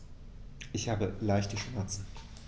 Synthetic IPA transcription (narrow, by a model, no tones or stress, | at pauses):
ʔɪçhaːbəlaɪçtəʃmɛɐt͡sn̩